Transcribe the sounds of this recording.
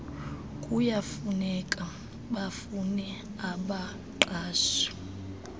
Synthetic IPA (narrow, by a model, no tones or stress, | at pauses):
kʼujafunɛkʼa | ɓafunɛ | aɓa | ǃaːʃɔ̥